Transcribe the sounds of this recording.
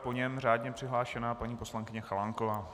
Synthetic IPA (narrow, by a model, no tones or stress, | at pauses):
po̞ɲɛmr̝aːdɲɛpr̥ɪɦlaːʃɛnaːpaɲiːpo̞slaŋkɪɲɛxalaŋkovaː